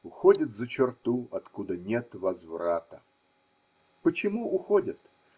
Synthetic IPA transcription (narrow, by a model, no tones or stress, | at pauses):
ʊxodʲət̪zət͡ɕɪrt̪uɐt̪kud̪ənʲet̪vɐzvɾat̪ə | pət͡ɕɪmuʔʊxodʲət̪